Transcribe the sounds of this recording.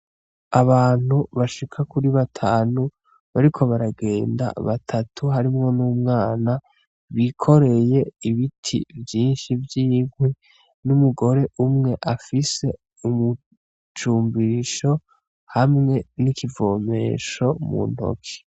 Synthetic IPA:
aβaːn̥uβaʃikʰakuɾiβatʰaːnu | βaɾikʰo̞βaɾaɡe̞ːnda̰βatʰatʰuɦaɾimŋo̞nuːmŋaːna | βikʰo̞ɾe̞je̞iβitʰḭvjiːnʃivjiːŋwe | numuɡo̞ɾe̞ʔumŋe̞ʔafise̞ | umu | t͡ʃuːmbiɾiʃo̞ | hamŋe̞nikivo̞ːme̞̰ʃo̞mṵn̥o̰kʰe̥

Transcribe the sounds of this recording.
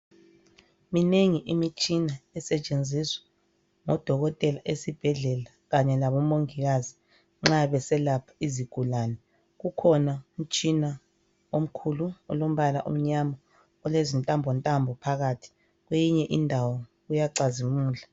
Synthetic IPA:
mineŋiʔimit͡ʃʼinaɛsɛt͡ʃʼend͡zʱiswɛ̥ | ŋɔd̥ʱɔɣɔtʼɛlaʔesib̥ʱɛɮɛlaɣaɲɛlaβɔmoŋiɣazi | ŋ͡ǁaβɛsɛlapʰḁiziɡ̥ʱulaːnɛ | ɣukʰɔnaum̩t͡ʃʼina | om̩kʰuluɔlom̩βalaʔṵm̩ɲama | ɔlezintʼambʱɔntʼambʱɔpʰaɣatʰi̥ | ɣwejiɲɛʔindʱawɔɣujaǀazimuːɮa

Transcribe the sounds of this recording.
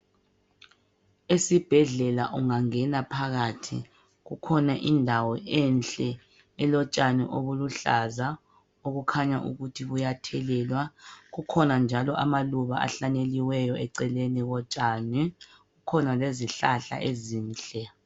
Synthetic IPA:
esib̥ʱɛɮɛla̰ʔuŋaŋɛnapʰaɣaːtʰḭ | ɣukʰɔnaʔindʱawɔʔɛnt͡ɬʼɛ | ɛlɔt͡ʃʼanɛ̰ʔoβuluɬaza | oɣukʰaɲa̰ʔṵɣutʰiβujatʰɛlɛlwaɣukʰɔnand͡ʒʱalɔʔamaluβa̰a̰ɬaneliwɛjɔʔɛǀɛleniɣɔt͡ʃʼani | ɣukʰɔnaleziɬaɬa̰ʔeziːnɬʼɛ

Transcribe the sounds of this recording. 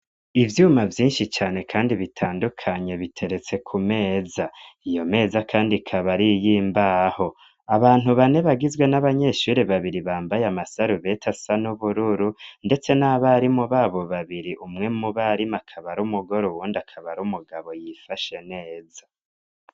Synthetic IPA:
ivjuːmavjiːnʃit͡ʃaːne̞kʰaːndiβitʰaːndukʰaɲe̞βitʰe̞ɾe̞t͡se̞kʰume̞ːzaijo̞me̞ːzakʰaːndikʰaβaɾijiːmbaho̞ | aβaːn̥huβane̞βaɡizɡwe̞naβaɲe̞ʃuɾeβaβiɾiβaːmbajamasaɾuβe̞tʰasanuβuɾuɾunde̞t͡se̞naβaɾimuβaβo̞βaβiɾiʔumŋe̞muβaɾimakʰaβaɾumuɡo̞ɾuwuːndakʰaβaɾumuɡaβo̞jifaʃe̞ne̞ːza

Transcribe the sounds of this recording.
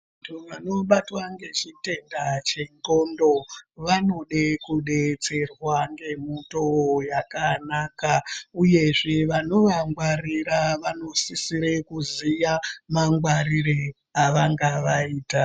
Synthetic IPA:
atʰuʋano̞ɓatwaŋɡe̞t͡ʃite̞ndat͡ʃe̞ŋɡondo̞ʋano̞ɗekuɗe̞t͡se̞rwaŋɡe̞mutojakanakauje̞ʐeʋano̞ʋaŋɡwariɾaʋano̞sisiɾe̞kuzijamaŋɡwaɾiɾe | aʋaŋɡaʋaiːta

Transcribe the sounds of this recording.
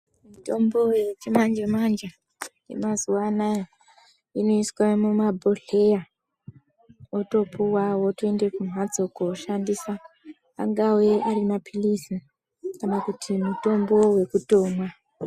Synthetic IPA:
mito̞mbo̞jet͡ʃemand͡ʒemand͡ʒa | je̞̰mazuwanaj | ino̞iswamumabʱo̞ɮ̥e̞ja | oto̞puwawotoende̞kumwad͡zo̞koʃandisa̰ː | ŋɡawe̞aɾimapʰilisi | kanakutimuto̞mbo̞we̞kuto̞ːma

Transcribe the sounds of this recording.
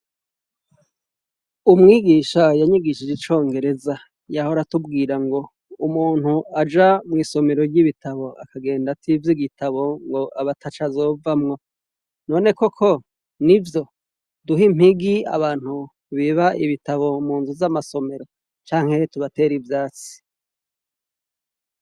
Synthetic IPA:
umŋiːɡiːʃajaɲiɡiʃid͡ʒet͡ʃo̞ːŋɡe̞ɾe̞za | jahoɾatubɡiːɾaŋɡo̞ | umuːn̥huad͡ʒamŋiːso̞me̞ɾo̞ɾɟiβitʰaβo̞akaɡe̞ːndatʰivjiɡitʰaβo̞ŋɡo̞ʔaβatʰat͡ʃazo̞vamŋo̞ | no̞ːne̞ko̞kʰo̞ | nivjo̞ | duɦim̥hiɡia̰βaːn̥hu | βiβaʔiβitaβo̞muːnzuzamaso̞me̞ɾo̞ | t͡ʃaːŋhe̞tuβate̞ːɾivjaːt͡si̥

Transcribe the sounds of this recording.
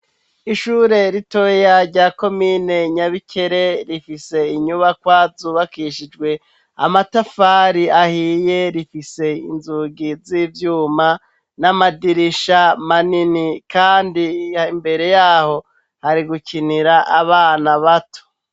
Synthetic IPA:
iʃuːɾe̞ɾitojaɾɟaːko̞miːne̞ɲaβikʰeɾe̞ɾifise̞iɲuβakwaːzuβakiʃid͡ʒɡwe̞ | a̰matafaɾiahiːje̞ɾifise̞inzuɡizivjuːma | namadiɾiʃamaninikaːndiaimbe̞ɾe̞jaːho̞ | haɾiɡukʰiniɾaʔaβaːnaβato̥

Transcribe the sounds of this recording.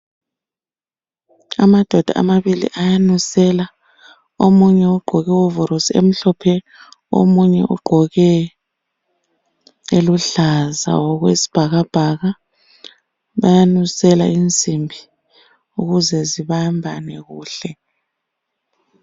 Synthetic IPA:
a̰mad̥ʱɔd̥ʱa̰a̰maβilḭʔajanusɛla | omuɲɛuɡ͡ǃʱɔɣɛwɔvɔɾosiḛm̩ɬɔpʰɛ | o̰muɲɛ̰ʔṵɡ͡ǃʱɔɣɛ | eluɬaza̰wɔɣwesi̥b̥ʱaɣab̥ʱaɣa | βajanusɛlaind͡zʱʼimbʱi | uɣuzɛziβambʱanɛɣuːɬɛ

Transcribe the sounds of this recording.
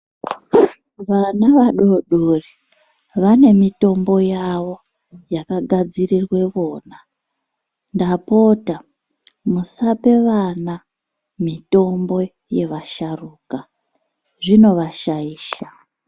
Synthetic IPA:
ʋanaʋaɗoɗuri | ʋane̞mito̞mbo̞jaʋo̞ | jakaɡʱad͡zirirwe̞ʋo̞ːna | ndapo̞ta | musape̞ʋana | mito̞mbo̞ | je̞ʋaʃaruːka | ʐino̞ʋaʃaiːʃa

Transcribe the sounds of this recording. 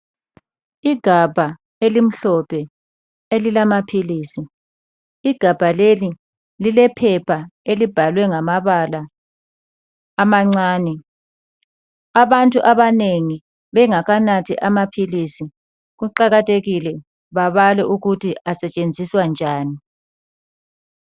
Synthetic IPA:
iɡ̥ʱab̥ʱa | elim̩ɬɔpʰɛ | elilamapʰiliːsiː | ɡ̥ʱab̥ʱaleli | lilɛpʰɛpʰaelib̥ʱalwɛŋamaβala | maŋ͡ǀaːnɛ | aβantʼuʔaβaneŋi | βɛŋaɣanatʰiʔamapʰilisi | ɣuǃaɣatʼʰeɣilɛ | βaβalɛʔuɣutʰiasɛt͡ʃʼend͡zʱiswand͡ʒʱaːni

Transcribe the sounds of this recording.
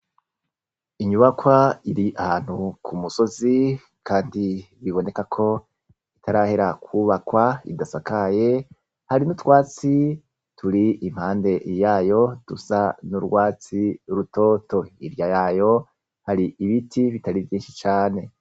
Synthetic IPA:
iɲuβakwaiɾiʔahaːn̥hukʰumuso̞zi | kʰaːndiβiβo̞ne̞kakʰo̞ | itʰaɾaheɾakʰwuːβakwaḭdasakaje̞ | haɾinutwaːt͡si | tʰuɾiʔim̥haːnde̞jaːjo̞d̥ṵsanuɾɡwaːt͡siɾuto̞ːto̞iɾjajaːjo̞ | haɾiiβitʰiβitaɾivjiːnʃit͡ʃaːne̞

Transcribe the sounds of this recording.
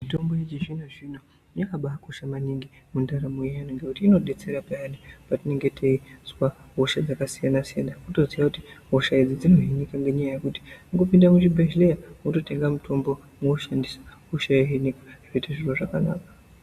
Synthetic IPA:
mito̞mbo̞et͡ʃiʒinoʐino | jekaɓaːko̞ʃamaniŋɡimundaɾamujijanoŋɡekutiːno̞ɗe̞t͡se̞ɾapajanipatine̞ŋɡe̞tʰe̞izuwaɦo̞ʃad͡zakasijanasijanamuto̞ziakutiɦo̞ʃaed͡zid͡zino̞ɦinikaŋɡeɲajajekuti̥mukupindamut͡ʃibʱeʒlejamuto̞te̞ŋɡamutʰo̞mbo̞ | muoʃandisḁɦoʃajeɦinikḁʐ̥oitaʐiro̞ʐakana̰ːkḁ

